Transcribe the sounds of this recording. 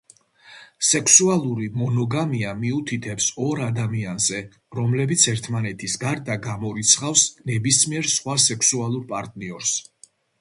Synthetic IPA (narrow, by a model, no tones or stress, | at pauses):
sɛkʰsualˠuɾimɔnɔɡamiamiut̪ʰit̪ʰɛpsɔɾad̪amianzɛ | ɾɔmlɛbit̪sʰɛɾt̪ʰmanɛt̪ʰisɡaɾd̪aɡamɔɾit̪sʰχafsnɛbismiɛɾsχwasɛkʰsualˠuɾpʼaɾt̪ʼniɔɾs